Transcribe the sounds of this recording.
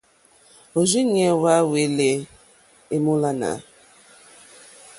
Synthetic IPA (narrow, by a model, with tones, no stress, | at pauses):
o˨zi˦ɲe˨wa˦we˨˦le˨ | e˦mu˦la˦na̰˨˦